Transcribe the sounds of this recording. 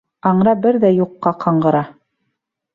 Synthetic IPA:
ɑɴɾɑbɘɾðæjuqːɑqʰɑɴɢɤ̆ɾɑ

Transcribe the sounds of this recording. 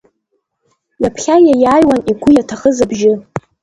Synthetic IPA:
japʰχʲajajaːjwaniɡʷʊjatʰaχəzabʒɪ

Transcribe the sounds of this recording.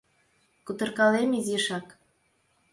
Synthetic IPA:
kut̪ɤ̆rkɑlemiziʃɑk

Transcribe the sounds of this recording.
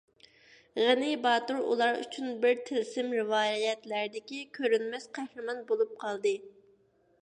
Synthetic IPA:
ʁənɪbɑːt̪uɾṵlˠɑɾy̰t͡ʃʰynbɪɾt̪ʰɪlsɪmɾɪvɑːjjɛt̪læɾd̪ɪkʲikʲʰøɾynmɛsqʰæhɾɨmɑnbolˠup̚qʰɑlˠd̪ɨ

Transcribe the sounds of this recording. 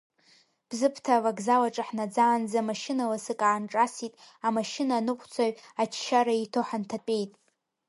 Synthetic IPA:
b̥zɨpʰtʰavaɡzalaʈ͡ʂʼaħnad͡zaːnd͡zamaʃɪnalasɨkʼaːnʈ͡ʂʼasitʼamaʃɪnanɨqʷʰʼt͡sʰaɥat͡ʃʰʃaɾaitʰoħantʰapʼe̞jtʼ

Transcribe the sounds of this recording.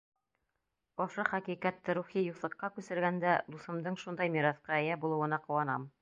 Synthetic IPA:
ŏʃɤχækiqæt̪ːɘɾuχijuθˠɤ̆qːɑkʉsɘ̆ɾɡænd̪æd̪ˠusɤ̆md̪ɤɴʃund̪ɑjmiɾɑθqɑɘ̆jæbulˠɤ̆wɤ̆nɑqŏwɑnɑ̰m

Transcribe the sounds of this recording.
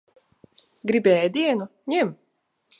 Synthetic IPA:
ɡɾʲibʲɛːjd̪ʲiɛnuɲʲɛm

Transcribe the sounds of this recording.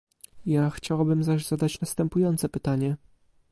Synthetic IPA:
jaxt͡ɕawabɘmzaʑz̥ad̪at͡ɕnast̪ɛmpujɔnt̪sɛpɘt̪aɲɛ

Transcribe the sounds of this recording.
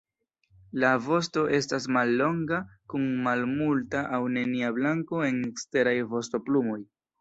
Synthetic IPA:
lavo̞sto̞ʔe̞stasmalːo̞ŋɡakunmalmultaʔawne̞niablaŋko̞e̞nekste̞ɾajvo̞sto̞plumo̞j

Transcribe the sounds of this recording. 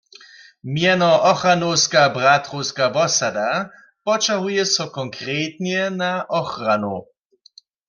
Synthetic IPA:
mjɛnɔʔɔxranowskabʁat̪χowskavɔsad̪a | pɔt͡ʃaɦujɛsɔkɔŋkʁeːt̪njɛnaʔɔxranu

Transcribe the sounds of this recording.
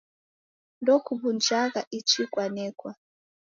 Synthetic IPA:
ndɔkubund͡ʒakaʔit͡ʃʰikwanɛːkwa

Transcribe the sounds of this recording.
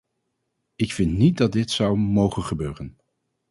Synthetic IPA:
ɪkfɪntnit̚dɑt̚dɪtsʌwmowχənχəbøːrən

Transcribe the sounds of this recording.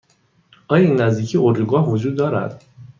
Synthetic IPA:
ʔɒːjɒinːæzd̪iːcʰiːoɾd̪uɡɒːɦvod͡ʒuːd̪ːɒːɾæ̰d̪̥

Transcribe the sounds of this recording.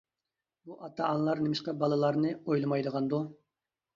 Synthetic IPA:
buʔɑt̪ʰɑːnlˠɑɾnɪmɪʃqɑbɑlˠɨlˠɑɾnɨojlˠɨmɑjd̪əʁɑnd̪u

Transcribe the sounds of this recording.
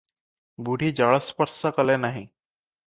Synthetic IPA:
buɽ̤ʱiːd͡ʑəɭəspəɾsəkəlɛnaɦi

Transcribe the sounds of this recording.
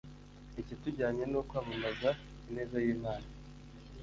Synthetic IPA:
icituɟaːɲe̞nokwaːβumaza | ine̞ːzajiːmaːna

